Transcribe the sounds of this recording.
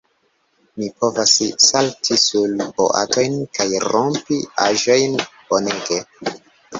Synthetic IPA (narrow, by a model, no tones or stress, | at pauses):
mipo̞vassaltʰisulpo̞̰ʔa̰to̞jnkajɾompiʔaʒo̞jnb̥o̞ne̞ɡe̞